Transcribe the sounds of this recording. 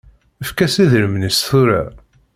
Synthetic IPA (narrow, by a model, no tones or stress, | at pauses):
əfkæsiðɾəmnəsθuɾa̰